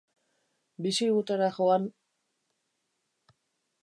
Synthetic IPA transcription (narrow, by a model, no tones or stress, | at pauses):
bisiɣut̪eɾaxoan